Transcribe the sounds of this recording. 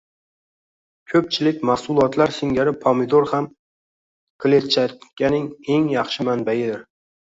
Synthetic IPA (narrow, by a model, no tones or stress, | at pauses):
kʲʰɵp̚t͡ʃʰɪlɪk̚ʲmasʊlˠɒt̪laɾsɪŋɡʲaɾɪpʰɒmid̪oɾham | kʰlet͡ʃakʲʰːanɪŋe̞ŋjɑχʃɪmanbajɪd̪ɪɾ